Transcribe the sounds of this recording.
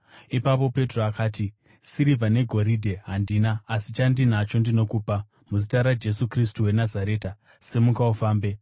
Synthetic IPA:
ipap̬o̞pe̞tro̞akaːti | siɾivʱane̞ɡʱo̞ɾidʱe̞ɦandiːnaːsit͡ʃandin̤at͡ʃo̞ndino̞kuːpa | muzitaɾad͡ʒe̞sukris̬tuwe̞nazaɾe̞ːta | se̞mukaufaːmbe̞

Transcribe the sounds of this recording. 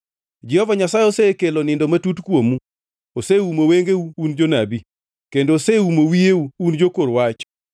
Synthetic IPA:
d͡ʒɪhɔvaɲasajosekelonɪndomatutkwomu | oseumoweŋɡeuund͡ʒonabi | kendoːseumowieuːnd͡ʒokoɾwat͡ʃɔ̥

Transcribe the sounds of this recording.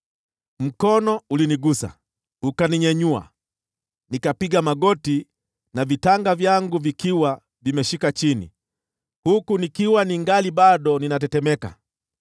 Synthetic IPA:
m̩kɔnɔuliniɡusa̰ | ukaniɲɛɲua̰ | nikapiɡamaɡɔti | navitaŋɡavjaŋɡuvikiwa | vimɛʃikat͡ʃinḭ | hukunikiwaniŋɡaliɓaɗɔninatɛtɛmɛka̰

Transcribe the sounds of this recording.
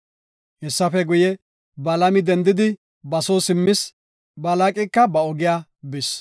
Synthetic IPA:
hɛsːɐfɛɡʊjɛ | bɐlɐmɪd̪ɛnd̪ɪd̪ɪ | bɐsoːsɪmːɪs | bɐlakʼɪkːɐbɐɔɡɪjaːbɪs

